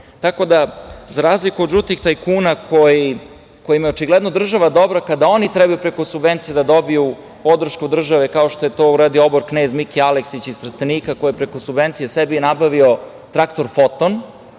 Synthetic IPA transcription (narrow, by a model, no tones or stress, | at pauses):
t̪ako̞d̪azaɾaːzlikud̪ʒut̪ixt̪ajkuːnakʰoji | ko̞jimjeot͡ʃiɡlˠɛd̪nod̪r̩ʒaʋad̪o̞bɾakad̪ao̞nit̪ɾɛbajupɾe̞ko̞subʋent̪sije̞d̪ad̪o̞biju | po̞d̪r̩ʃkud̪r̩ʒaʋekao̞ʃt̪ojet̪o̞ːuɾaːd̪ioobo̞ɾkneːzmikialeksit͡ɕist̪r̩st̪enikakjepɾekosubʋe̞nt̪sijesebinabaʋio̞ | t̪ɾakt̪o̞ɾfot̪on